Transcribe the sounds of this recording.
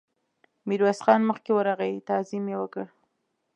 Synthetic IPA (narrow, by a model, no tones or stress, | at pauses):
miɾwasχɑnməxkewəɾaɣajit̪ɑzimjewəkəɽ